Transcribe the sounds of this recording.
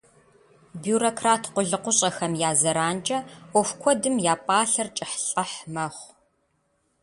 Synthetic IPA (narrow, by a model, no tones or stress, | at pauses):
bjuːɾokʰraːtʰqʷʊɮɨqʷʊɕʼɐxɐmjaːzɐɾaːnt͡ʃʼɐʔʷɔfkʷʰɔdɨmjaːpʼaːɬɐrt͡ʃʼɪħɬʼɐħmɐχʷ